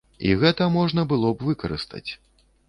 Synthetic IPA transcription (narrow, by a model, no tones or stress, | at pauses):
ḭɣɛt̪ɐmɔʐnɐbɨlˠɔbvɨkɐɾɨ̰st̪ɐ̰t͡sʲ